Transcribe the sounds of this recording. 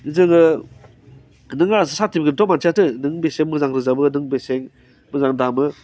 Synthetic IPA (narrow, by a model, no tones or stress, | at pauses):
izɯŋɯ | nɯŋas̬ɯsatibɡɯntɔmansʰiatɯnɯŋbeseŋmɯzaŋɾɯzabɯnɯŋbeseŋ | mɯzaŋdamɯ